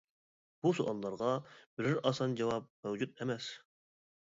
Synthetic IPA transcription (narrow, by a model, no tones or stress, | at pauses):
b̥usuʔɑnˠlˠɑɾʁɑb̥ɪɾɪɾɑsɑnd͡ʒɑwɑp̚mæwd͡ʒut̪̚emɛs